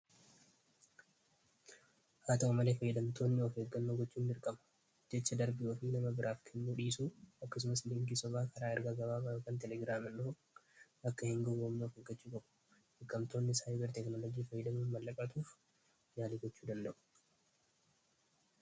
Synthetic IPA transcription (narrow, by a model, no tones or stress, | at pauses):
haːt̪ɐɐmɐle̞ːfɐjːɪd̪ɐmt̪ʰoːnːɪɔfeːɡɐnːoːɡɔt͡ʃːuːnːɪɾkʼɐmɐ̥ | d͡ʒɛt͡ʃːɐd̪ɐɾbɪʔoːfɪnɐmɐbɪɾʔaːfkʰɛnːuːᶑiːsuːɐkːɐs̬ʊmɐslɪŋɡisɔbaːkʰɐɾaːɪɾɡaɡɐbaːbajoːkaːnt̪ɛlɛɡɾaːmɐnᶑʊfʊ | ɐkːɐhɪŋɡɔɡoːmniɔfeɡːɐt͡ʃːuːkʼɐbʊ̥ | ɪkʼːɐmt̪oːnːɪsaːjbɛɾt̪ɛknolɔd͡ʒiːfɐjːɪd̪ɐmuːnmɐlːɐkʼːɐt̪uːf | ɲaːliɡɔt͡ʃːuːd̪ɐnd̪ɐʔʊ̥